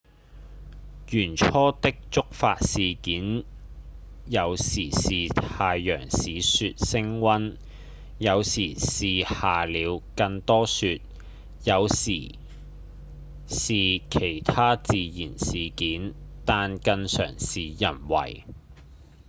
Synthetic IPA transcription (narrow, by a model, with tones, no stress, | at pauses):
jyː˨˩nt͡ʃʰɔː˥t̪ɪ˥k̚t͡ʃt͡sʊ˥k̚faː˧t̚siː˨kiː˨˥n | jɐ˨˧wsiː˨˩siː˨t̪ʰaː˧jjœ̰ː˨˩ŋsiː˨sy˧t̚sɪ˥ŋwɐ˥n | jɐ˨˧wsiː˨˩siː˨haː˨liː˨˧wkɐ˧ŋt̪ɔː˥syː˧t̚ | jɐ˨˧wsḭː˨˩ | siː˨kʰe˨˩jt̪ʰaː˥t͡siː˧jiː˨˩nsiː˨kiː˨˥nt̪aː˨nkɐ˧ŋsœ̰ː˨˩ŋsiː˨jɐ˨˩nwɐ̰˨˩j